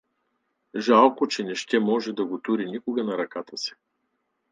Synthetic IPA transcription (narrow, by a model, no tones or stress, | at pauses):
ʒalˠkot͡ʃɛnɛʃt̪ɛmɔʒɛd̪ɐɡot̪uɾinikoɡɐnɐɾɐkat̪əsi̥